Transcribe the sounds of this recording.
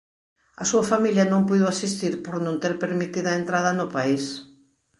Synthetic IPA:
ɐsuɐfamiljɐnõŋpujðʊasist̪iɾpoɾnõnt̪eɾpeɾmit̪iðɐent̪ɾað̞ɐnʊpais

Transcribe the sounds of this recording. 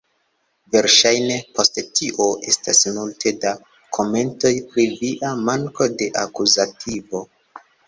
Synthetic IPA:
ve̞ɾʃajne̞po̞sttiʔo̞ʔe̞stasmultʰe̞da | kʰo̞me̞nto̞jpɾiviʔamaŋko̞de̞ʔakuzatʰivo̞

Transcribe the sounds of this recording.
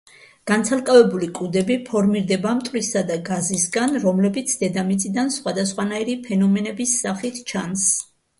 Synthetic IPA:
ɡ̥ant̪sʰalˠkʼavɛbulikʼud̪ɛbipʰɔɾmiɾd̪ɛbamt̪ʼwisad̪aɡazisɡanɾɔmlɛbit̪sʰd̪ɛd̪amit̪sʼid̪ansχwad̪asχwanaiɾipʰɛnɔmɛnɛbisːaχit̪ʰt͡ʃʰans

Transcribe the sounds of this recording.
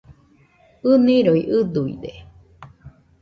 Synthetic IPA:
ɨnĩɾoiʔɨd̪uḭd̪e

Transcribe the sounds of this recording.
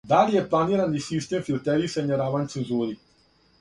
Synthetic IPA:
d̪alijeplˠaniɾanisist̪emfilt̪eɾisaɲaɾaʋant̪senzud̪i

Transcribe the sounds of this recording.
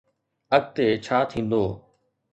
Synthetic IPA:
ək̚t̪eːt͡ʃʰaːt̪ʰĩːnd̪oː

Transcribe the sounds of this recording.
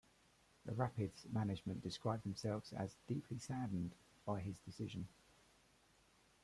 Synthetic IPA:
ðə̰ɹapɪdzmanɪd͡ʒmə̃nd̥ɪskɹaɪb̚d̪ðə̃msɛlˠvz̥ə̰zdiˑpʰlisaːdⁿn̩d | b̥aɪɪzdɪsɪʒə̃n

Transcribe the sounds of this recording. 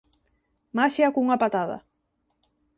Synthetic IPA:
maʃiakuŋapat̪aða̰

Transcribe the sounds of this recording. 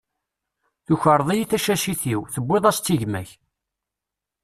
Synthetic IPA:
θuçəɾˤðˤijiθæʃæʃiθiwθəbːiðˤæst̪ːiʝmæ̰ç

